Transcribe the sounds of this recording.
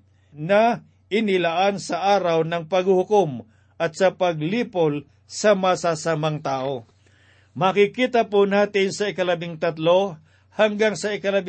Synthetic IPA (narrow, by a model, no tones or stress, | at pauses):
nɐ | ʔɪnɪlaʔansɐʔaːɾɐwnɐŋpɐɡhʊhʊkom | ʔɐt̪̚sɐpɐɡliːpol | sɐmɐsasamaŋt̪aːʔo | mɐkɪkiːt̪ɐpʊnaːt̪ɪnsɐɪkɐlɐbɪŋt̪ɐt̪lo | haŋɡaŋsɐɪkɐlɐb